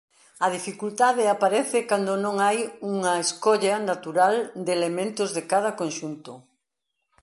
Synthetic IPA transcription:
ɐð̞ifikult̪aðɪapaɾɛθɪkand̪onõŋajuŋɐeskoʎɐnat̪uɾald̪elemẽnt̪ʊzðɪkað̞ɐkonʃunt̪ʊ

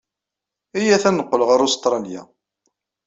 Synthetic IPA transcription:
ijæθænəqːəlʁaɾost̪ɾˤɑlja̰

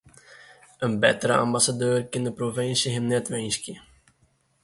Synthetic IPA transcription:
ənbɛ̰təɾəa̰mbasadøːrkɪndəprovɪnsəɦɛnnɛtʋɛjnskə

